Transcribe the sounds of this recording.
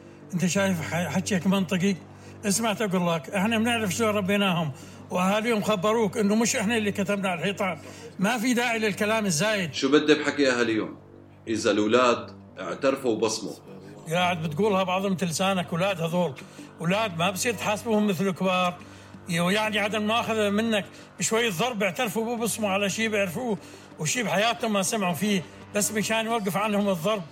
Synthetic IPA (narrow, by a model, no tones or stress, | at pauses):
ʔɪnt̪aʃaːjɪfħaħat̪ːakmɑnt̪ˤɨɡi | ʔɪsmaʕt̪ʔaɡuːlːakʔɪħnamnɪʕɾɪfʃaɾˤɑbːeːnaːhʊm | wʔahaːliːhʊmxabːɑɾˤuːkʔɪnːʊmʊʃʔɪħnalːikat̪abnaʕalħiːt̪ˤɑːnmafid̪aːʕilɪlkalaːmɪzːaːjɪd̪ʃubad̪ːabħakiʔahaːlɪjːo̰ːm | ʔɪzalwlaːd̪ | ʔɪ̰ʕt̪ɑɾˤfuwbɑsˤmṵɡaːʕɪd̪̚bɪt̪ɡuːlhabɑʕðˤhʊmɪt̪ɪlːsaːnakwlaːd̪hɑðˤuːlwlaːd̪̚mabsˤiːɾt̪ħaːsbuːhʊmːɪθlɪkbɑːɾˤ | jaʕniʕad̪almaʔaːxaðamɪnːak | bɪʃwajːɪðˤːɑɾˤbɪʕt̪ɑɾˤfubbɨsmuʕalaʃiːbɪʕɾfuː | wʃiːbħajaːt̪hʊmːasamʕufiː | basːmɪʃaːnjwɑɡːɪfʕanhʊmɨðˤːɑɾˤb̚